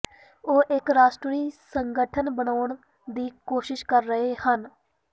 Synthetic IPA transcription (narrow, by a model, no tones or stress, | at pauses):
oːʔɪkɾaːʃʈɾiːsəŋɡəʈʰənbənaːɳ | d̪iːkoːʃɪʃkəɾːəɦehən